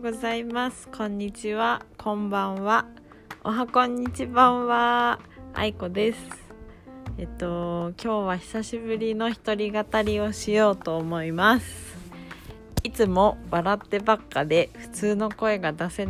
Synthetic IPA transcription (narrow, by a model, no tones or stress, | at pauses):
ɡo̞zaimasɨ̥kʰõ̞ɲ̟ːit͡ɕiβakʰõ̞mbãɰ̃βa | oɦakõ̞ɲ̟ːit͡ɕibãɰ̃βa | a̰iko̞d̪e̞sɨ̥ | et̪ːo̞kʲo̞ːβaçi̥saɕibɯ̟ɾʲino̞çi̥t̪o̞ɾʲiɡat̪aɾʲio̞ɕijo̞ːt̪o̞ːmo̞imasɨ̥ | it͡sɨmo̞baɾat̪ːe̞bakːad̪e̞ɸɯ̟̥t͡sɨːno̞ko̞e̞ɡad̪ase̞